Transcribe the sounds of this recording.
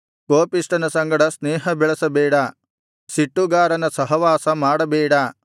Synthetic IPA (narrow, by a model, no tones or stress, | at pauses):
koːpiʂʈɐnɐsɐŋɡɐɽɐsnɛːɦɐbɛɭɐsɐbɛːɽa | siʈːuɡaːɾɐnɐsɐɦɐʋaːsɐmaːɽɐbɛːɽa